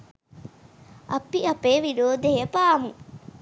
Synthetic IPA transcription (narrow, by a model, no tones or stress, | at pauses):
ʔɐpːiɐpeːʋiɾoːd̪eepaːmu